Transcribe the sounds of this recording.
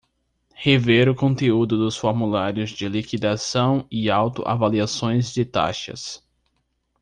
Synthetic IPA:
heveɾʊkõnt̪eud̪ʊd̪ʊsfoɾmulaɾjʊzd͡ʒɪlikid̪asɐ̃w̃ɪawt̪ʊ̰ʔa̰valiasõj̃zd͡ʒɪt̪a̰ʃɐ̰s

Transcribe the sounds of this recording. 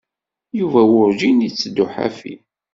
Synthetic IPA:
juvæwʊɾʒinjit͡sːd̪ʊħa̰fḭ

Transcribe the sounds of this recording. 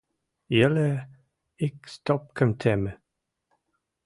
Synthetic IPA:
jɛlə | ɪkst̪ɔp̚kʰəmt̪ʰɛmə

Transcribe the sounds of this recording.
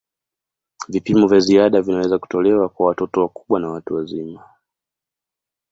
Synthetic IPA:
vipimɔvjaziaɗavinawɛzaku̥tɔlɛwakwawatɔtɔwaku̥ɓwanawatuwazima

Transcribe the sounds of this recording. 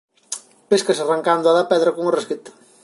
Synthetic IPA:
peskasaraŋkand̪ʊaðapɛðɾɐkoŋoresket̪ḁ

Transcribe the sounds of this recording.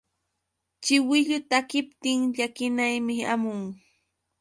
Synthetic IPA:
t͡ʃɪwɪʎʊt̪akɪpt̪ɪŋʎakɪnajmɪamʊŋ

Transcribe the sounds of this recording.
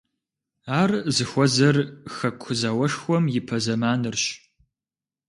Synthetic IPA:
aːrzɨxʷɔzɐrxɐkʷʰʊzɐwɐʂxʷɔmjɪpʰɐzɐmaːnɨrɕ

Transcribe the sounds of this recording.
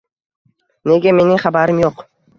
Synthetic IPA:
neɡʲeme̞nɪŋχabaɾɪmjoq

